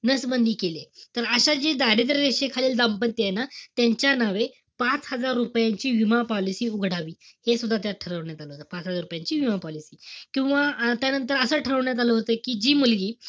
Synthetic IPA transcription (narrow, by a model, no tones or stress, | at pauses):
nəsbənd̪ʱiːkelet̪əɾəɕad͡ʑid̪aɾit̪̬ɾəɾeɕekʰaliːld̪ampənt̪jenat̪jaɲt͡ɕjanaʋe | pat͡shəd͡zaɾːupjaɲt͡ɕiːʋimapɔlisiːuɡʱɽ̤aʋiːhesud̪ʱːat̪jaʈʰəɾəʋɳjat̪aləɦot̪əpat͡sɦəd͡zaɾupjaɲt͡ɕiːʋimapɔlisiːkĩw̃ʋat̪janənt̪əɾəsəːʈʰəɾəʋɳjat̪̬aləɦot̪əkiːd͡ʑiːmulɡiː